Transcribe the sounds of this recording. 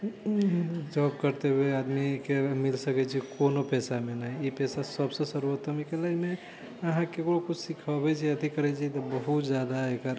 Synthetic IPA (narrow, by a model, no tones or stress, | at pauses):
d͡ʒɔb̚kəɾt̪ebead̪mikemilsəkɛt͡ʃʰikonopɛsamenaɦipɛsasəbsə̃səɾuət̪əmikelame | əɦãkekɽokut͡ʃʰsikʰəbɛt͡ʃʰiət̪ikəɾɛt͡ʃʰit̪ɔbəɦut̪d͡ʒad̪aekəɾ